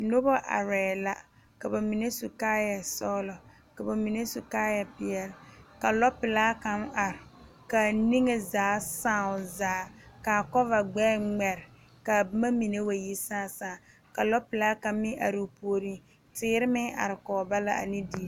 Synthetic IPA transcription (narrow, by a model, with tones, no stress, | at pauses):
no˦bɔ˦ʔa̰˨ɾɛː˨la˦ | ka˨ba˨mi˨ne˦su˨kaː˦ja˨sɔ˦lɔ˨ | ka˨ba˨mi˨ne˦su˨kaː˦ja˨pɪ˨jɛ˦lka˨lɔ˦pɪ˨laː˦ka˨˦ma˨ɾɪ˨ | ka˨ni˦ŋe˨zaː˨˦sãː˦˨ʊ˨zaː˨˦ka˨kɔ˦va˨ɡ͡bɛː˦ŋ͡mɛ˨ɾɪ˨ | ka˨ma˦mi˨ne˦wa˨ji˦sãː˦˨sãː˦˨ | ka˨lɔ˦pɪ˨laː˦ka˦m˦mɪ˦ʔa̰˨ɾɪ˨pu˦o˦ɾi˦ | tɪː˦ɾɪ˦mɪ˦ʔa̰˨ɾɪ˨kɔː˨ba˦la˦a̰˨ni˦di˦˨